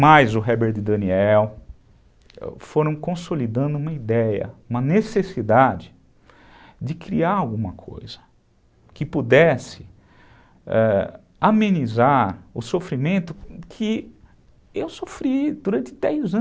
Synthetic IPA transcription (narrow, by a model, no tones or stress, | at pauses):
majzʊɦɛbeɾd̪ɪd̪ɐniɛw | ɛ̰foɾɐ̃w̃kõsolid̪ɐ̃nd̪ʊũmɐid̪ɛjɐ̰ũmɐnesesid̪ad͡ʒɪ | d͡ʒɪkɾiaɾawɡũmɐkʰo̰jzɐ̥ | kɪpud̪ɛsɪ̥ | ɛ | amẽnizaɾʊsofɾimẽnt̪ʊkʰɪ | ewsofɾid̪uɾɐ̃nt̪ɪd̪ɛjzɐ̃